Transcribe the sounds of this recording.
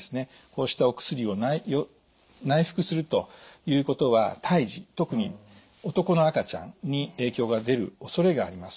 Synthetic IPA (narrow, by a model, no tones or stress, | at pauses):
sɨne̞ | ko̞ːɕi̥t̪ao̞kɯ̥sɨɾʲio̞naijo | naiɸɯ̥kɯ̟sɨɾɯ̟t̪o̞jɯ̟ːko̞t̪o̞βat̪ʰaiʑit̪o̞kɯ̟ɲ̟i | o̞t̪o̞ko̞no̞akat͡ɕã̰nɲ̟ie̞ːkʲo̞ːɡad̪e̞ɾɯ̟o̞so̞ɾe̞ɡa̰ːɾʲimasɨ̥